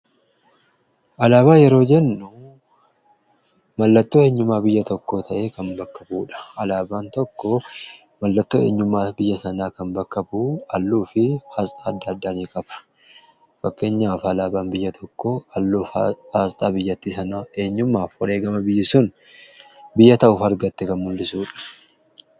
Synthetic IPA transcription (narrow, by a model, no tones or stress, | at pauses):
ʔɐlaːβaːjɛɾo̞ːd͡ʒɛnːʊ | mɐlːɐt̪ːoːe̞ːɲːʊmːaːbɪjːɐt̪ɔkːo̞ːt̪ʰɐʔe̞ːkɐnbɐkːɐbuːᶑɐ̥ʔɐlaːbaːnt̪ɔkːɔ | mɐlːɐt̪ːo̞ːe̞̰ːɲːʊmːaːbɪjːɐsɐnaːkɐnbɐkːɐbuːɐlːuːfɪhast̪ʼaːɐd̪ːɐɐd̪ːaːniːkʼɐb̥ɐ̥ | fɐkːe̞ːɲːaːfɐlaːbaːnbɪjːɐt̪ʰɔkːoɐlːuːfaːst̪ʼaːbɪjːɐt̪ːiːsɐnaːʔe̞ːɲːʊmːaːfɔɾe̞ːɡɐmɐbɪjːɪsʊn | bɪjːɐt̪ɐʔʊːfɐɾɡɐt̪ːɛkɐnmʊlːɪsuːᶑɐ̥